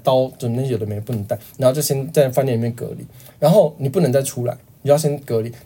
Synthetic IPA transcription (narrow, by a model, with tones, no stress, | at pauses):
t̪ɑ˦ʊt͡sə˨˩m˨˦i˥jo˨˩d̪əme˧˥ɪ˧˩pu˥˩ə˧˦ŋt̪a˥˩ɪni˨˥˧t͡sa˥˩ɕjɛ˥nt͡sa˥˧ɪfa˥njɛ˥˩˨i˨˩jɛ˥˩kɤ̰˧˦lḭ˨˦ɻa˧˦nxo˥˩ʊni˨˩pu˥˨nə˧˥ŋt͡sa˥˩ɪʈ͡ʂʰu˥la̰˧˦ɪn˨t͡ɕo˧˥˧ɕjɛ˥nkɤ˧˦li˨˩˦